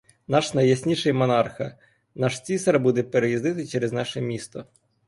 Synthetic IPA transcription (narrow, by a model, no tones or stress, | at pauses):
nɑʃnɐjɐsʲnʲiʃɪjmɔnɑrxɐ̰ | nɑʃt͡sʲisɐɾbud̪ɛpeɾejizd̪ɪt̪ɪt͡ʃɛɾeznɑʃɛmʲist̪ɔ